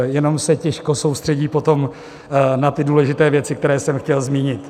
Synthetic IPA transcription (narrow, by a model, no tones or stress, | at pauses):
jɛno̞msɛcɛʃko̞sowst̪r̥ɛɟiːpo̞t̪o̞m | nat̪ɪduːlɛʒɪt̪ɛːvjɛt͡sɪk̚t̪ɛɾɛːsɛmxcɛlzmiːɲɪt̪